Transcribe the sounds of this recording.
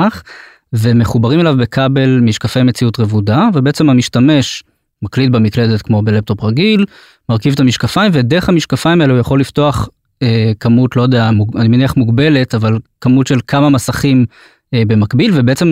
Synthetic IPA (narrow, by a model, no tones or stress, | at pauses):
χ | veme̞χubaʁimelavbe̞kʰabe̞lmiʃkafe̞jmet͡siutʁevudavebeʔet͡se̞mamiʃtame̞ʃ | maklit̚bemikle̞detkmo̞belep̚t̪o̞pʁaɡil | maʁkivtamiʃkafaimvede̞eχhamiʃkafaimaeleujaχo̞lːifto̞aχ | ekamutlojodeamuɡanimeniaχmuɡbe̞le̞tavalkamutʃe̞lkʰamamasaχim | ebe̞makbilvebeʔet͡sem